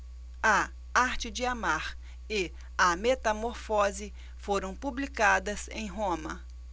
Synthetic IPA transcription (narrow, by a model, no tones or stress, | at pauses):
ɐ | aɾt͡ʃɪd͡ʒɪamaɾ | ɪ | ɐmet̪ɐmoɾfɔzɪ | foɾɐ̃w̃publikad̪ɐsḛ̃j̃ɦõmɐ